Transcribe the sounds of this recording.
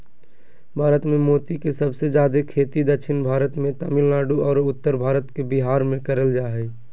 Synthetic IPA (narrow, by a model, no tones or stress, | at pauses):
bʱaːɾət̪mẽmoːt̪ikesəbsed͡ʒjaːd̪ekʰeːt̪id̪əkʃʰɪnbʱaːɾət̪mẽt̪əmɪlnaːɖuɔːɾʊt̪ːəɾbʱaːɾət̪kebɪɦaːɾmẽkəɾəld͡ʒaːɦɛː